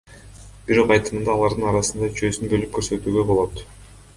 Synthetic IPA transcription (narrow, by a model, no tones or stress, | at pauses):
b̥iɾo̞qɑjt̪ɯmɯnd̪ɑːlˠɑɾd̪ɯnɑɾɑsɯnd̪ɑyt͡ʃø̞ːsynbø̞lyp̚kʰøɾsøt̪yːɡøbo̞lˠo̞t̪